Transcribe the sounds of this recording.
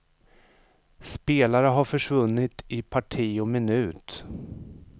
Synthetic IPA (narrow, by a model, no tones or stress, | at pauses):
speːlaɾəɦaɾfœʂvɵnːɪt̪ɪpʰaʈʰiːɔmɪnʉ̟ːt̪